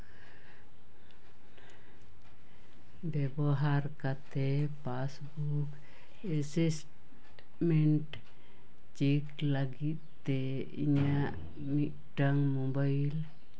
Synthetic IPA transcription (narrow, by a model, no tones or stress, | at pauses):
bɛbɔɦaɾkat̪ɛpasbu | k | ɛsisʈ | mɛɳʈ | t͡ʃiklaɡit̪̚ːt̪ːɛ | ḭɲaʔ | mit̪̚ | ʈaŋmɔbajl